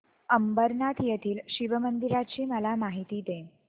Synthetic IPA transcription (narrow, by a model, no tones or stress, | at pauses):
əmbəɾnat̪ʰjet̪ʰiːlɕiʋəmənd̪iɾat͡ɕiːməlamaɦit̪iːd̪e